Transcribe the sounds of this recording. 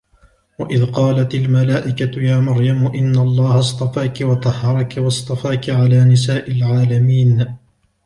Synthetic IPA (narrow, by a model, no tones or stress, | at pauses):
waʔɪðqɑːlat̪almalaːʔɪkat̪ʊjaːmɑɾjamʊʔɪnːaʔlˤːɑːhɑst̪ˤɑfaːkɪwɑt̪ˤɑhɑɾˤɑkɪwɑsˤt̪ˤɑfaːkɪʕalaːnɪs̬aːʔɪlʕaːlamiːn